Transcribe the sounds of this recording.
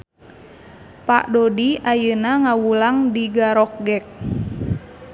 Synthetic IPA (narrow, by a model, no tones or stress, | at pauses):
pa̰ʔdodiajənaŋawulaŋdiɡaɾɔk̚ɡɛk̚